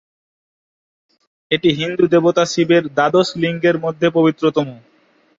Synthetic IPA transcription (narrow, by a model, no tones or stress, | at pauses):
eʈiɦind̪ud̪ebot̪asibeɾd̪ad̪osliŋɡeɾmod̪ʱːepobit̪ːɾot̪omu